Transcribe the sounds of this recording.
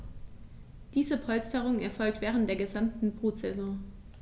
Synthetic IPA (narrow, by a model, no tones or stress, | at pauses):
d̥iːzəpʰɔlstəʁʊŋɛɐfɔlk̚tv̥ɛːʁ̞əntd̥eːɐɡəzamtn̩bʁ̥uːt͡sɛzɔ̃